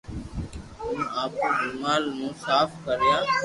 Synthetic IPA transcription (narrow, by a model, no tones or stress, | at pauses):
ɦʊnaːpuːdʊmaːlnũːsaːfʰkəɾjaː